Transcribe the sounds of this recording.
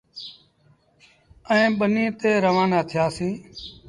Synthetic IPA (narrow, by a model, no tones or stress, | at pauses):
ɛ̃ːɓənĩːt̪eːɾəʋãːnaːt̪ʰɪjaːsĩː